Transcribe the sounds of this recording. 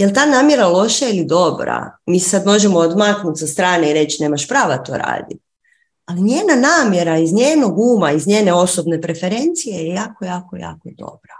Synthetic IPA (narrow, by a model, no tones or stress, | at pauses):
jelt̪aːnaːmje̞ɾalˠo̞ʃailid̪o̞bɾa̰miːssad̪mo̞ʒemo̞od̪maknut̪sast̪ɾaːneiɾe̞t͡ɕine̞ːmaʃpɾaːʋat̪o̞̰ɾa̰ːd̪it̪ | aliɲjeːnanaːmje̞ɾaizɲeːno̞ɡuːmaizɲeːne̞o̞sobne̞pɾe̞fe̞ɾe̞nt̪sijejjaːkojaːkoja̰ːkod̪o̞̰b̥ɾa